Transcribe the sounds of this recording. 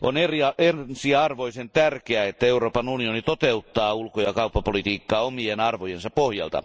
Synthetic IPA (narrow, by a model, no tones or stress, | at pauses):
ʔoneriɑensiɑrʋoisent̪ærkeæet̪ːæeuroːpɑnunionit̪ot̪eut̪ːɑːulkojɑkɑupːɑpolit̪iːkːɑːomienɑrʋojensɑppohjɑ̰lt̪ɑ̰